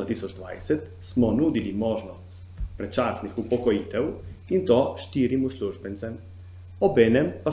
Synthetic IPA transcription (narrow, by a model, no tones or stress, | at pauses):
at̪isɔd͡ʒd̪ʋa̰jsɛt̪ | smɔnuːd̪ilimɔːʒnɔst̪ | pɾɛt͡ʃaːsnixupɔkɔjiːt̪ɛwint̪oʃt̪iːɾimusluʒbɛnt̪sɛm | ɔbɛːnɛmpa